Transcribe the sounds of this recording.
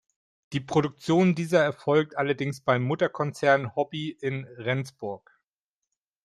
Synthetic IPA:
d̥iːpʁ̥oɾʊk̚t͡sjoːndiːzɐɛɐfɔlk̚tʔalɐdɪŋsb̥aɪmːʊtɐkʰɔnt͡sɛɐnhɔbiʔɪnʁɛnt͡sb̥ʊɐk

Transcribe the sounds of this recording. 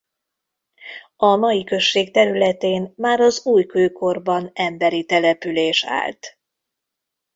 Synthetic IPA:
ɒnɒjikø̞ʃːeːk̚t̪ɛɾylɛt̪eːnmaːɾɒzuːjkøːko̞rbɒnɛmbɛɾit̪ɛlɛpyleːʃa̰ːlt̪

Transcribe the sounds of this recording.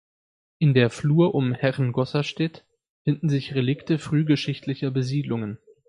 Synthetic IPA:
ʔɪndeːɐfluːɐʔʊmhɛʁnɡɔsaʃtɛt | fɪndn̩zɪçʁelɪktəfʁ̥yːɡəʃɪçtlɪçɐbəziːdlʊŋən

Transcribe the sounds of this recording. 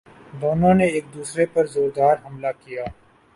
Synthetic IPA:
d̪oːnõːneeːk̚d̪uːsɾepɐɾzoːɾd̪aːɾɦɐmlakijaː

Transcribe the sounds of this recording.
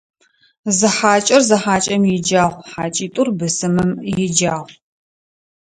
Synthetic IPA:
zɨħaːt͡ʃʼɐrzɐħaːt͡ʃʼɐmjɪd͡ʒaːʁʷħaːt͡ʃʼiːtʼʊrbɨsɨmɨmjɪd͡ʒaːʁʷ

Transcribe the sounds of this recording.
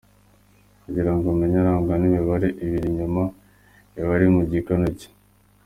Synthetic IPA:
kuɟiɾaŋɡomeɲaɾaːŋɡanimiβaɾeʔiβiɾiɲuma | iβaɾimuɟikanoce̥

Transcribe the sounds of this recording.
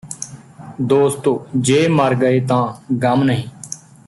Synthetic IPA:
d̪oːst̪oːd͡ʒeːməɾɡəeːt̪ãːɡəmnəɦĩː

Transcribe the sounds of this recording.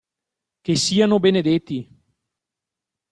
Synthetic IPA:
k̟esiːanobened̪et̪ːi

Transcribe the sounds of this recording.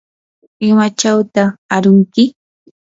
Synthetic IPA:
ɪmat͡ʃawt̪aːɾʊŋkɪ

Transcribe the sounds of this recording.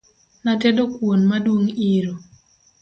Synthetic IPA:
natedokwonmadwoŋiɾo

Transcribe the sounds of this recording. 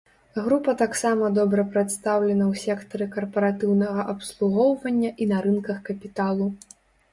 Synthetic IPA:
ɣɾupɐt̪aksamɐd̪ɔbɾɐpɾɛt̪st̪awlʲɛnɐwsʲɛkt̪ɐɾɨkɐrpɐɾat̪ɨwnɐɣɐʔɐpslˠuɣɔwvɐnʲːɐʔinɐɾɨnkɐxkɐpʲit̪alˠu

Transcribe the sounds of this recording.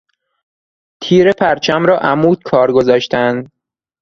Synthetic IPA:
t̪ʰiːɾepʰæɾt͡ʃʰæmɾɒːʔæmuːd̪̥̚kʰɒːɾɡo̞zɒːʃt̪ænd̪̥

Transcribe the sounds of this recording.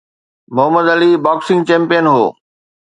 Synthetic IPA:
mʊɦəməd̪ɐlibaːksɪ̃ŋɡt͡ɕɛ̃ːmpijənɦo̰ː

